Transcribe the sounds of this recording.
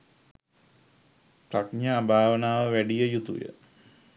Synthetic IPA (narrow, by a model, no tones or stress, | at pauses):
prakɲaːbʱaːʋənaːʋəʋæɖijəjut̪ṵjə̰